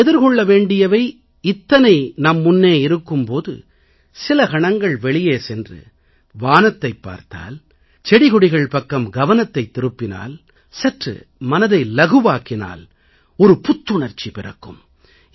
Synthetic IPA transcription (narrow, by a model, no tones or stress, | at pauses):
ɛðɪɾkɔɭːɐʋeːɳɖɪjɐʋɐɪ | ɪt̪ːɐnɐɪnɐmːʊnːeːɪɾɯkːɯmpoːðɯ̰ | sɪlɐkɐɳɐŋɡɐɭʋɛɭɪjeːsɛndrɯ̰ | ʋaːnɐt̪ːɐɪpːa̰ːɾt̪a̰ːl | t͡ʃɛɽɪɣɔɽɪɣɐɭpɐkːɐmɡɐʋɐnɐt̪ːɐɪt̪ːɪɾɯpːɪna̰ːl | sɛʈrɯ̰ | mɐnɐðɐɪlɐɣɯʋaːkɪna̰ːl | ɔɾɯpʊt̪ːʊɳɐɾt͡ʃːipɪrɐ̰kːɯm